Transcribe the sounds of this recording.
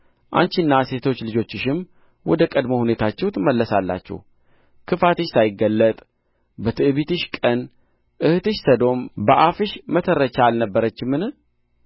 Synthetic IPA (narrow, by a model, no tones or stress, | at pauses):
ʔa̰ɲt͡ʃinːase̞t̪ʰo̞t͡ʃːlɨd͡ʒo̞t͡ʃːɪʃɪm | wɔd̪əkʼəd̪mohune̞t̪ʰat͡ʃːɛhwut̪ʰməlːəsalːa̰t͡ʃːɛ̰h | kʰɨfat̪ɨʃsajɪɡːəlːət̪ʼ | bət̪ʰɨʔβit̪ɨʃkʼən | ʔɨhɨt̪ɨʃsəd̪o̞mbəʔafɨʃmət̪ʰəɾːət͡ʃaːlnəbːəɾət͡ʃːɪmːɨnɨ